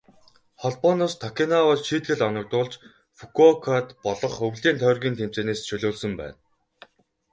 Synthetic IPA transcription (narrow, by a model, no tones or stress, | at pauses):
χɔɮpɔnɔːst̪ʰɔkʰʲinawɔɮʃiːt̪ɡɘ̆ɮɔnɞ̆k̚t̪ʊːɮt͡ɕ | fukʰɔkʰat̪pɔɮɞ̆χɵwɮiːnt̪ʰœːrɣʲiːnt̪ʰem̥t͡ɕeːneːst͡ɕʰɵɮʊːɮsə̆mpæ̰ːn